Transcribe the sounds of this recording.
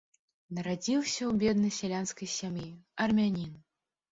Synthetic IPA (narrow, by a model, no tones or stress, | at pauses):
nɐɾad͡zʲiwsʲɐwbʲɛd̪nɐjsʲɛlʲanskɐjsʲamjiɐrmʲanʲin